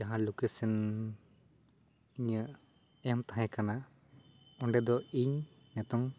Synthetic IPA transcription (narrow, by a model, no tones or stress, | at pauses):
aɦãlukesin | iɲə | ɛmt̪aɦɛ̃kana | ɔɳɖɛd̪ɔiɲ | nɛt̪ɔŋ